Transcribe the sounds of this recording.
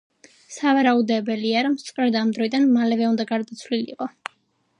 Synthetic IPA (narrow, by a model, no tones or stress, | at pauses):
savaɾaud̪ɛbɛliaɾɔmst̪ʼkʼɾɛd̪amd̪ɾɔid̪anmalɛvɛũnd̪aɡaɾd̪at̪sʰlilḭqʼɔ